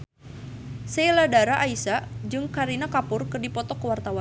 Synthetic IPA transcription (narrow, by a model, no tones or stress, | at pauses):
sɛladaɾaʔaisad͡ʒɨŋkaɾinakapʊrkɨrdipɔt̪ɔkəwart̪awa